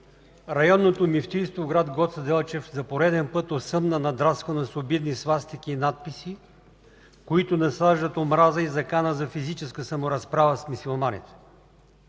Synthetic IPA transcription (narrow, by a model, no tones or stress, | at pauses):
ɾɐjɔnːot̪omift̪ist̪voɡɾad̪ɡɔt̪sɐd̪ɛlˠt͡ʃɛfzɐpoɾɛd̪ɛnpɤt̪ot̪sɤmnənɐd̪ɾaskonɐsobid̪nisvast̪ik̟ʲiːnat̪̚pisi | koit̪ʊnɐslaʒd̪ət̪omɾazəizɐkanəzɐfizit͡ʃɛskəsɐmoɾɐspɾavəsmisolˠmanḭt̪ɛ̥